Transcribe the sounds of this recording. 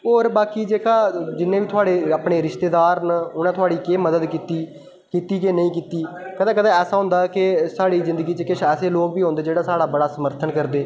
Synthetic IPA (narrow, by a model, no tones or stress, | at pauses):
oːɾbaːkiːd͡ʒeːkaːd͡ʒɪnːẽːbiːt̪ʰʊaːɽeːapɳeːɾɪʃt̪eːd̪aːɾnəʊnãːt̪ʰʊaːɽiːkeːməd̪əd̪kiːt̪iː | kiːt̪iːkeːnəĩːk̬iːt̪iːkəd̪ãːkət̪ãːɛːsaːɦʊ̃nd̪aːkɪsaːɽiːzɪ̃nd̪əɡiːt͡ʃkɪt͡ʃʰɛːseːloːkbiːɦõːnd̪eːd͡ʒeːɽaːsaːɽaːbəɽaːsəməɾt̪ʰənkəɾd̪eː